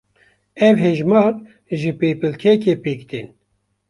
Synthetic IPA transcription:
ɛvɦeːʒmɑːɾ | ʒɨpeːpɨlkʰɛkeːpiːkt̪in

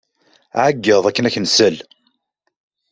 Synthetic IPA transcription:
ʕaɡːəðˤækːənæçənsəl

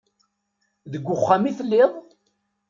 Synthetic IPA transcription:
ðəɡʷːʊχːamiθəlːɪðˤ

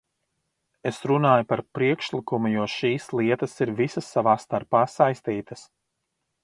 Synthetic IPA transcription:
esɾunaːjupaɾpɾiɛkʃlˠikumujuɔʃiːslˠiɛt̪ɐsiɾvisɐsːavaːst̪aɾpaːsajst̪iːt̪ɐs

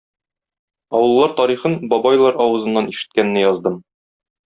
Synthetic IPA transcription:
ɒwɤ̆lˠːɑɾt̪ɒɾiχɤnbɒbɑjlˠɑɾɒwɤ̆zɤ̆nːɑniʃɘ̥̆t̪̚kænːɘjɒzd̪ɤm

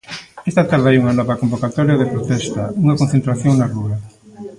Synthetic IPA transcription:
est̪at̪aɾðɪajuŋanɔβɐkombokat̪ɔɾjɐðepɾot̪ɛst̪ɐuŋakonθent̪ɾaθjoŋnarua

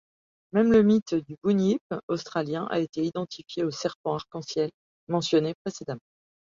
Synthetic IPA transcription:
mɛmləmit̪d̪ybunipost̪χaljɛ̃ʔa̰et̪eid̪ɑ̃t̪ifjeosɛʁpɑ̃aʁkɑ̃sjɛl | mɑ̃sjɔnepχesed̪amɑ̃

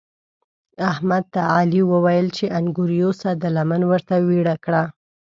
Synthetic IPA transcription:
ahmad̪̚t̪aɑliwəwajəlt͡ʃeʔaŋɡuɾijosad̪əlamanwəɾt̪awiɽakɽa

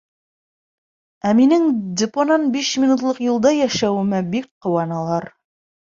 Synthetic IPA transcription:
æminɘŋd̪ʲɪponɑnbiʃmʲinut̪lˠɤqjulˠd̪ɑjæʃæwɘ̆mɘbikqːŏwɑnɑlˠɑɾ

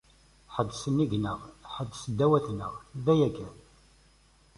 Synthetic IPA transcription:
ħəd̪ːsənːiɡnəʁħəd̪ːsəd̪ːæwæθnə̰ʁðæjækæn

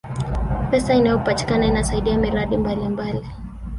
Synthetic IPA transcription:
pɛsainajɔpati̥kanainasaiɗiamiɾaɗimbalimbali

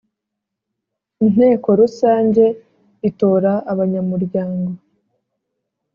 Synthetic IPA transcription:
in̥he̞ːko̞ɾusaːɲɟe̞ | ito̞ːɾaːβaɲamuɾɟaːŋɡo̞

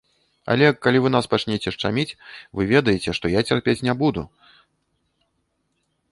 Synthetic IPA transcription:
a̰lʲɛkːalʲivɨn̪aspat͡ʂnʲet͡sʲɛʂt͡ʂamʲit͡sʲvɨvʲɛd̪ɐjɛt͡sʲɛʂt̪ɔjat͡sʲarpʲet͡sʲnʲɛbud̪u

